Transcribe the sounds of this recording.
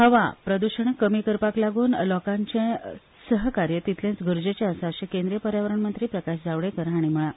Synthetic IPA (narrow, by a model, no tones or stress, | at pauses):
həʋa̰pɾəd̪uɕəɳkːəmikəɾpaklaɡuːnlɔkãɲt͡ɕẽ | səɦkaɾjət̪it̪ʰlẽnt͡sɡʱəɾd͡ʑet͡ɕãəsaəɕẽkẽnd̪ɾijəpəɾjaʋəɾəɳmənt̪ɾiːpɾəkaɕd͡zaʋɭekəɾaɽ̃im̤əɭa